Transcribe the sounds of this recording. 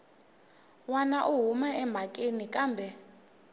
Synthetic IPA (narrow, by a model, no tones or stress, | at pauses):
wanaʔuɦumaɛm̤akʼenikʼaːmbʱɛ